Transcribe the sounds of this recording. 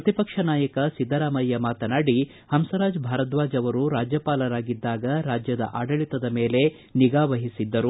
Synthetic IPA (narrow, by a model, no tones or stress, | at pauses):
pɾɐt̪ipɐkʂɐnaːjɐkɐsid̪ʱːɐɾaːmɐjːɐmaːt̪ɐnaːɽi | hɐmsɐɾaːd͡ʒbʱaːɾɐt̪ʋaːd͡ʒɐʋɐɾuɾaːd͡ʒjɐpaːlɐɾaːɡid̪ːaːɡɐɾaːd͡ʒjɐd̪ɐ̰ʔaːɖɐɭit̪ɐd̪ɐmeːle̞ | niɡaːʋɐɦisid̪ːɐɾu